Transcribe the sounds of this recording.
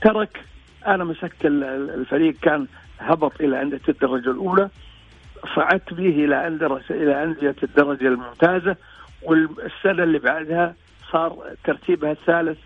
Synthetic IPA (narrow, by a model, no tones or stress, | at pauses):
t̪ɑɾˤɑk | ʔanamasakɪllfaɾiːɡkaːn | hɑbɑt̪ˤʔɪlaʕɪnd̪ɪkd̪ːɑɾˤɑd͡ʒalʔuːla | sˤɑʕɑt̪biːɦʔɪlaʔand̪ɾˤʔɪlaʔanzɪjad̪ːɑɾˤɑd͡ʒalmʊmt̪aːza | wɪlsːanalːiːbaʕd̪ha | sˤɑːɾˤt̪ɑɾˤt̪ʰiːbhaθːaːlɪθ